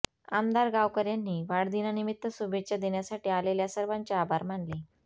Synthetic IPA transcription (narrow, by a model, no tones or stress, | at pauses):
amd̪aɾɡaʋkəɾjanːiːʋaɽd̪inanimit̪ːəsubet͡ɕad̪eɳjasaʈiːaleljasəɾʋaɲt͡ɕjaabʱaɾmaɳle